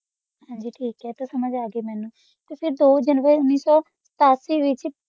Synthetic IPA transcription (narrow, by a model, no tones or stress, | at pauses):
hãːɲd͡ʒiːʈʰiːkɦɛːt̪oːsəməd͡ʒaːɡeːmɛːnũː | t̪eːpʰɪɾd̪oːd͡ʒənʋəɾʊnːiːsɔː | sə̥t̪aːsiːʋɪt͡ʃ